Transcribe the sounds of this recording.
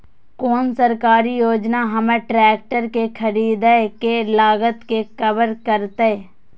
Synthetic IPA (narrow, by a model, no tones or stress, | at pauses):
koːnsəɾkaːɾijoːd͡ʒnaɦɐmeʈɾɛːk̚ʈəɾkekʰəɾiːd̪ekelaːɡət̪kekəbəɾkəɾt̪e